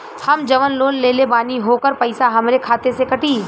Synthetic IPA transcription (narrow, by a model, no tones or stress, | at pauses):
hɐmd͡ʒɐʋənloːnleːlebaːniɦoːkəɾpɐɪsaɦɐmɾekʰaːt̪esekɐʈiː